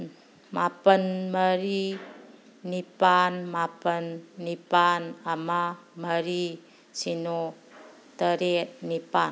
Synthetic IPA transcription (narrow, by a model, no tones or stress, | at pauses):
mapənməɾi | nipanmapənːipanamaməɾi | t͡ʃino | t̪əɾenipan